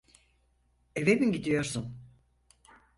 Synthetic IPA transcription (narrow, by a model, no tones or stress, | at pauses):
evebinɟid̪ijo̞ɾsun